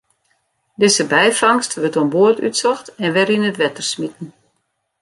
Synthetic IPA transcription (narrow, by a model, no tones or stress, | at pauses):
dɪsəbɛjfɑŋstʋətonboəty̰tsɔxtɛnʋɛɾinətʋɛtərsmitən̩